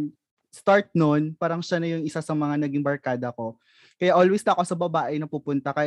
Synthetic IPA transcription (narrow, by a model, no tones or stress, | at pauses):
st̪aɹt̪̚nonpaːɾɐŋʃanɐjʊŋɪsasɐmɐŋanɐɡiŋbɐɹkaːd̪ɐko̞ | kɐjaʔolwɛst̪ɐko̞sɐbɐbaːʔɛnɐpupʊnt̪ɐkɐ